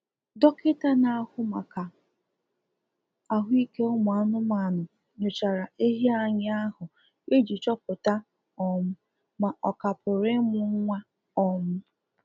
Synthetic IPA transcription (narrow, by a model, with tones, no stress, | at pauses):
dɔ˦kɪ˦ta˦na˨˦hʊ˦ma˨ka˨ | a˨ɦʷʊ˦i˦ke˦ʊ˦mʊ˨a˨˦nʊ˦ma˨nʊ˨ | ɲo˨t͡ʃa˨ɾa˨e˦ɦi˦a˨ɲɪ˦a˦hʊ˨ | e˦d͡ʒi˨t͡ʃɔ˦pʊ˨ta˦ | ɔ˦mʊ˦ | ma˨ʔɔ˨ka˨pʊ˨ɾɪ˦mʊ˦ŋ̩˦ŋʷa˦ | ɔ˦mʊ˦